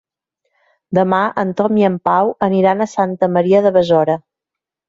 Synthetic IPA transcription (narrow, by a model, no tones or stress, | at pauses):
d̪əmaʔənt̪ɔmiəmpawəniɾanəsant̪əməɾiəðəβəzɔɾə